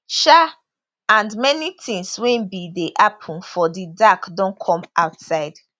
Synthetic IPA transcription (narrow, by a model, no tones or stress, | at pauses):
ʃa | ãndmɛnitʰĩŋswɛ̃nbideʔapʰũnfɔdidakdõnkʰɔ̃mʔaʊtsaɪd